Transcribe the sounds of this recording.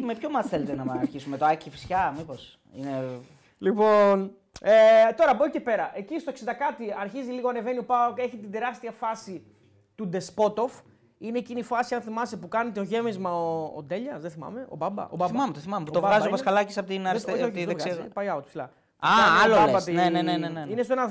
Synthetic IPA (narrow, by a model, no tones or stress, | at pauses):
mepçomɐsθelet̪enɐɐɐɾçisumet̪oɐcifi̥sçɐmipo̞s | ine | lipo̞n | et̪o̞ɾɐbocepe̞ɾɐʔe̞cist̪oksind̪ɐkɐt̪iɐɾçiziliɣoɐne̞ve̞niopɐe̞çit̪ind̪e̞ɾɐst̪iɐfɐsi | t̪ud̪e̞spo̞t̪o̞f | ine̞ːcinifɐsiɐnθimɐst̪epukɐnet̪eoʝe̞mizmɐo̰ːd̪e̞ʎɐsðeθimɐ̰me̞o̞̰bɐbɐ̰oɐθimɐmet̪oθimɐmet̪ovɣɐziopɐskɐlɐcisɐpot̪inɐɾest̪oðevɣsɐpɐjɐot̪i̥psilɐ̰ | ɐɐloɐbɐt̪ineneneeneinestoenɐ